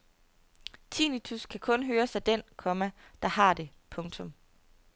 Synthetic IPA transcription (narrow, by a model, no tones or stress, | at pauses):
t͡sʰiːnit͡sʰuskʰækʰɔ̽nɦøːɐsɑ̈ɪd̥en̰kʰɒ̽mæd̥ɑ̈hɑ̈d̥e̝ | pʰɔ̽ŋt͡sʰɔ̽m